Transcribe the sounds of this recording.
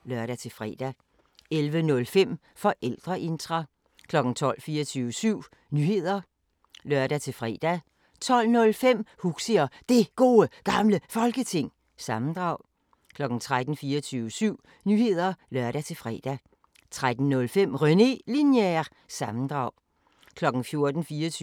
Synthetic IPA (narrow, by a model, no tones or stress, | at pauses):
lɶɐɾ̥æt͡sʰe̝fʁɛ̰d̥æ | elʋənɔ̽lfem̰ | fɒ̽ʔel̰d̥ʁɐʔe̝nd̥ʁɑ | kʰlɒ̽ɡ̥n̩t͡sʰɒ̽l̰fiːɐt͡sʰyːʊəsyʊ̰ | nyːhe̝ð̰ˠɐ | lɶɐ̰ɾ̥æt͡sʰe̝lfʁɛ̰ːd̥æ | t͡sʰɒ̽l̰nɔ̽lfem̰huɡ̥siɐd̥e̝ɡ̥o̝ːəɡ̥ɑ̈mləfɒ̽lɡ̥ət͡sʰe̝ŋ̰ | sɑ̈mn̩d̥ʁɑ̈ʊ̰ | kʰlɒ̽ɡ̥n̩t͡sʰʁad̥n̩fiːɐt͡sʰyːʋəsyʊ̰ | nyːhe̝ð̞̰ˠɐlɶɐ̰ɾ̥æt͡sʰe̝fʁɛ̰ːd̥æ | t͡sʰʁad̥n̩nɔ̽lfem̰ʁœne̝linjæ | sɑ̈mn̩d̥ʁɑ̈ʊ̰ | kʰlɒ̽ɡ̥n̩fjo̝ɐd̥n̩fiːɐt͡sʰː